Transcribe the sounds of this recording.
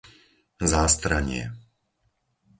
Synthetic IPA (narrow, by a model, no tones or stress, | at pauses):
zaːst̪ɾaɲɪɛ̰